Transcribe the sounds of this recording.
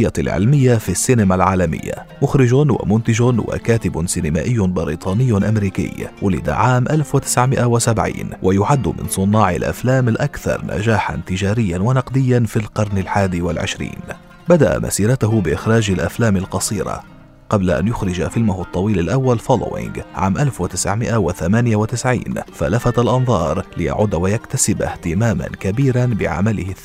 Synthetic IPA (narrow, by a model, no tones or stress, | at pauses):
jalʕɪ̰lmɪjːafisːɪːnamalʕaːlamɪ̰jːa̰ | mʊxɾɪd͡ʒʊnwa̰mʊnt̪ɪd͡ʒʊnwa̰kaːt̪ɪbʊnsɪnɪma̰ːʔɪjːʊbɪɾiːt̪ˤɑːnɪjːnʔamɾiːkɪ̰jwʊlɪ̰d̪a̰ʕaːmʔalfwɪt̪ɪ̥sʕmɪʔawɪsabʕḭːnwʔajʊʕad̪ːʊmɪ̰nsˤʊnːɑːʕɪ̰lʔa̰flaːmalʔakθɑ̰ɾˤna̰d͡ʒaːħa̰nt̪ɪd͡ʒaːɾɪjːanwanɑqd̪ɪjːanfilqɑɾˤnalħaːd̪iwa̰lʕɪ̰ʃɾḭːn | bad̪aʔa̰mʔa̰siːɾˤɑt̪ʊɦʊbɪʔɪxɾˤɑːd͡ʒalʔaflaːmɪlqɑsˤiːɾɑ̰ | qɑblaʔa̰njʊxɾɪd͡ʒafɪlmʊhʊt̪ˤːɑwiːlalʔawːalfolo̰wʔɪ̰ŋɡʕa̰ːmʔalfwɪt̪ɪsʕmɪʔawaθamaːnɪjawɪt̪ɪsʕḭːnfalafat̪alʔɑnðˤɑːɾˤlɪja̰ʕʊd̪wajakt̪asɪba̰ht̪ɪmaːma̰nkabiːɾanbɪ̰ʕa̰malɪhɪ